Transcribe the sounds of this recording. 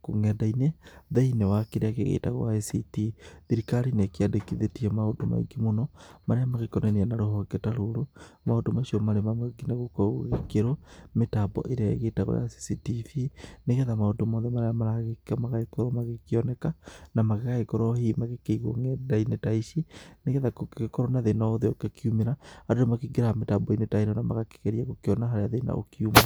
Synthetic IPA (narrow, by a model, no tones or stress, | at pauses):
koŋɛdaineðeinewakeɾeakeɣḛta̰ɣo̰aesitiðiɾikaɾinekeadekiðetiɛmaodoma̰ḭɡimonɔmaɾeamaɣekɔnɛneanaɾohɔketaɾoɾomaodomaʃiomaɾemamwɛɡinaɣokɔo̰ɣekeɾometaːbɔ̰ʔeɾaḛɣetaɣo̰ja̰si̥sitivineɣɛðamaotomɔðɛmaɾajamaɾaɣekamaɣaikoɾɔmaɣekiɔnɛkanamaɣeɣaekɔɾɔhimaɣekeiɣo̰ŋɛdainetaiʃeneɣɛðakokekɔɾɔnaðenaoðeokekjumeɾaadoomakiɡeɾaametabɔinetaiɾɔnamaɣake̥kɛɾiaɣokeɔnaɦaɾeaðena̰ʔo̰kjuma